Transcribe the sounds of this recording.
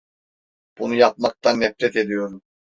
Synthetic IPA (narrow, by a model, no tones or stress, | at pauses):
b̥unujap̚mak̚t̪ʰanːɛfɾɛt̪e̞d̪ijo̞ɾum